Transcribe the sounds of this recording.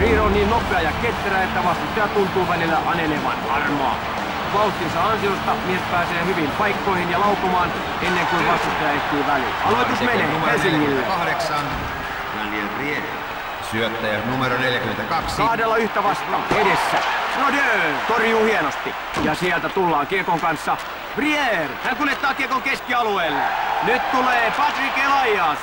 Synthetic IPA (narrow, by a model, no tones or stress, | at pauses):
riːhonniːnnopːˑeɑjɑket̪ːræet̪ːæʋɑst̪ɑsɑt̪unt̪uːʋælilːæʔɑneleʋɑ̰nɑrmoɑ̰ | ʋɑuht̪ːinsɑɑnsiost̪ɑmiespæːseːhyʋimpɑikːoihinjɑlɑukomɑːn | enːeŋkuiʋɑst̪ust̪ːojɑeht̪iːʋælḭlɑlʋeusmeneːumelsiŋːilːeɑhdeksɑn | æliḛrieh | syøt̪ːæjænumeɾoneljækyment̪ækɑksɑhdelːɑyht̪æʋɑst̪ɑ̰ːedesːæ̰nonøːt̪orjuːhienost̪i | jɑsiɛlt̪æt̪ulːɑːkirkoŋkɑnsːɑ | ʋrierhæŋkuljet̪ːɑːkiekoŋkeskiɑlueːlːenyt̪t̪uleːpɑt̪rikilɑijɑːs